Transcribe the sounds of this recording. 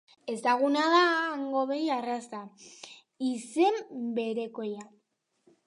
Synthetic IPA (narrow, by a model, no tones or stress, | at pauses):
e̞zt̪aɣunaðaŋɡo̞βe̞jarasa | ise̞mbe̞ɾe̞ko̞ja